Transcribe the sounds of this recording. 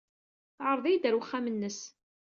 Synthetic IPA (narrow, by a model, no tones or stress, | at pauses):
θʕəɾˤðˤijd̪əɾwəχːæmənːəs